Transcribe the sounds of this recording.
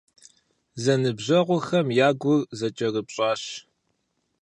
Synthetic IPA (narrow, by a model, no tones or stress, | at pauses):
zɐnɨbʑɐʁʷʊxɐmjaːɡʷʊrzɐt͡ʃʼɐrɨpɕʼɑːɕ